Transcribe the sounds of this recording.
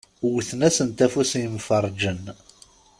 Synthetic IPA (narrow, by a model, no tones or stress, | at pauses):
wθnæsənt̪æfusjəmfəɾˤd͡ʒən